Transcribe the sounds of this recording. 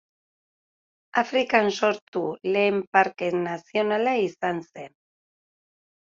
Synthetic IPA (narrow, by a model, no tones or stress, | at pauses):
afɾikansoɾt̪uleːmpaɾkenasjonalaisansen